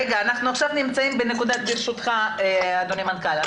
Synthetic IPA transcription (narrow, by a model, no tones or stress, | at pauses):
eɡaːnaχnuaχʃavnimt͡saimbene̞kud̪at̪̚ɡiɾʃut̪χaead̪onimankala